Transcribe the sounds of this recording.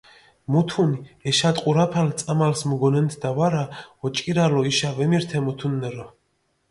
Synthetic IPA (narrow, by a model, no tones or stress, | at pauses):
mut̪ʰuniɛʃat̪ʼqʼuɾapʰalt̪sʼamalsmuɡɔnɛnt̪ʰd̪avaɾaɔt͡ʃʼkʼiɾalɔiʃavɛmiɾt̪ʰɛmut̪ʰunːɛɾɔ